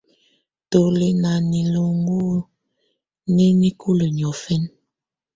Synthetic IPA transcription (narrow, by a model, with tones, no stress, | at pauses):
to˨le˨na˨ni˨lo˨ŋɡu˦ | ne˦ni˦kʰu˦lə˨ɲ˨ɔ˨fe˦n